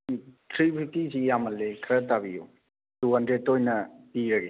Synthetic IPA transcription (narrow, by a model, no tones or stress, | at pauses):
tʰɾibʰʱitisijamɐlːekʰɐɾɐtabḭjṵ | duɦɐndɾed̚tːojnɐpiɾɐɡe